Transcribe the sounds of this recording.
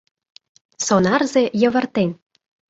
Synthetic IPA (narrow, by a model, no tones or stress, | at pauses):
sonɑrzejə̆βə̆rt̪en